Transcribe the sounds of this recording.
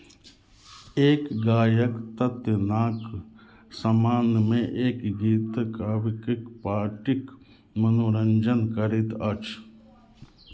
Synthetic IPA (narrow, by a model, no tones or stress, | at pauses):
eːkɡaːjɐkt̪ɐt̪jənaːk | sɐmaːnmẽʔeːkɡiːt̪kaːʋɪkɪkpaːʈik | mɐnoːɾɐɲd͡ʒənkəɾit̪ɐt͡ʃʰ